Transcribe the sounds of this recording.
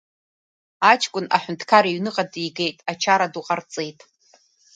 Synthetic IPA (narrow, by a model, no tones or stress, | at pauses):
at͡ʃʰʼkʷʼʊnʔa̰ħʷᶣʊntʰkʰaɾiɥnɨqʼadijɡe̞jtʼat͡ʃʰaɾaduqʼart͡sʼe̞jtʼ